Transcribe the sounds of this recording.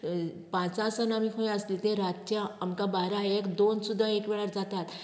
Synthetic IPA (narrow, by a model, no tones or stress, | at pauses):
pãt͡sãsanamikʰõj̃əslit̪ẽɾat̪t͡ɕjaamkabaɾãekd̪onsud̪ʱaekʋɛɭəɾd͡zat̪at̪